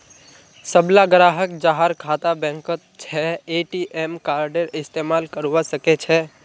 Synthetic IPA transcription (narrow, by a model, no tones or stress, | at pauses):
səblaɡɾaːɦəkd͡ʒaɦaɾkʰaːt̪abɛ̃ŋkət̪̚t͡ʃʰɛeʈiʔemkaːɾɖeɾɪst̪emaːlkəɾʋasəket͡ʃʰɛ